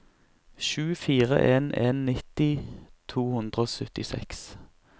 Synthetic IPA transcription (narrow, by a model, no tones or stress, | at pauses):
ʃʉːfiːʁə̰ʔeːnʔeːnːɪt̪ɪt̪ʰuːhʉnd̪ʁəoːsœt̪ɪsɛ̰ks